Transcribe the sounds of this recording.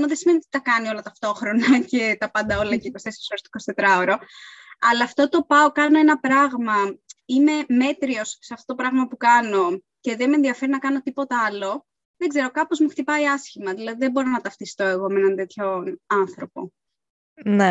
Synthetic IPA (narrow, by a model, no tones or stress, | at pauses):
muðesimeniot̪it̪ɐkɐnio̞lɐt̪ɐft̪o̞xɾo̞nɐce̞t̪ɐpɐnd̪ɐo̞lɐcekosesosoɾist̪i̥ko̞st̪e̞t̪ɾɐoɾo̞ɐlɐːft̪o̞t̪o̞pɐokɐnoe̞nɐpɾɐɣmɐime̞me̞t̪ɾio̞sseɐft̪ot̪opɾɐɣmɐpukɐno̞ | ce̞ðemenðiɐfe̞ɾinɐkɐno̞t̪ipo̞t̪eɐlo̞ | ðeɡze̞ɾo̞kɐpo̞zmuxt̪ipɐiɐsçimɐðilɐðiðebo̞ɾo̞nɐt̪ɐft̪ist̪oeɣo̞menɐnt̪e̞t̪ço̞ɐnθɾo̞po̞̰ | ne